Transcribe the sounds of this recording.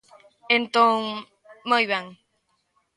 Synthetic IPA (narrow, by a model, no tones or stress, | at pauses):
ent̪oŋ | mojβaŋ